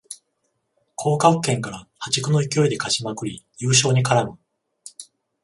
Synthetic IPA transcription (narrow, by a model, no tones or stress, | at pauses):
kʰo̞ːkakkːẽ̞ŋkaɾahat͡ɕikɯ̟no̞ikʲio̞id̪e̞kaɕimakɯ̟ɾʲijɯ̟ːɕ̬o̞ːɲ̟ikaɾamɯ̟